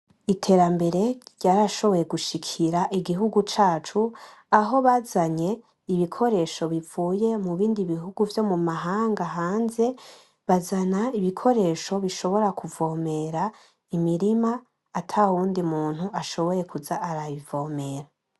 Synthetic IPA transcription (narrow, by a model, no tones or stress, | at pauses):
itʰe̞ɾambe̞ɾe̞ɾɟaːɾaʃo̞βo̞je̞ɡuʃikʰiɾaʔiɡiɦuɡut͡ʃaːt͡ʃu | aɦo̞βazaɲe̞ | iβikʰo̞ɾe̞ʃo̞βivuːje̞muβiːndiβiɦuɡuvjo̞mumaɦaːŋɡaɦaːnze̞ | βazanaiβikʰo̞ɾe̞ʃo̞βiʃo̞βo̞ɾakuvo̞ːme̞ɾa | imiɾimaː | tʰauːndimuːn̥huaʃo̞βo̞je̞kuzaʔːɾaβivo̞ːme̞ɾa